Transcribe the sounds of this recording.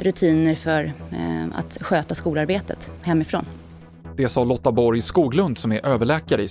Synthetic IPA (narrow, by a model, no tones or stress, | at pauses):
ɾɵt̪ʰiːnəɾfœɾa̰t̪ɧøːt̪askuːlaɾbeːt̪ə̰t̪hɛmːɪfɾo̰ːn | d̪̥ɛsɑːlɔt̪ːabɔɾjskuːɡlɵnd̪sɔmæɾʔøːvəɭɛːkaɾəɪ